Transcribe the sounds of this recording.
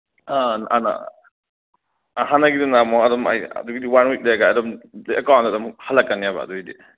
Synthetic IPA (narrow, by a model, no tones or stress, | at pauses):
anana̰ | ɦanɐɡidunamɔadɔma̰ja̰duɡidiwanwik̚leɡaadɔmleekawntadɔmhalakːanijaba̰ːduidi